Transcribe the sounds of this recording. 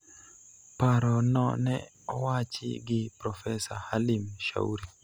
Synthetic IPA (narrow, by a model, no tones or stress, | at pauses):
paɾɔnɔ̰nɛ̰ | ɔwat͡ʃɪ̰ɡɪpɾɔfɛsahalimʃa̰uɾi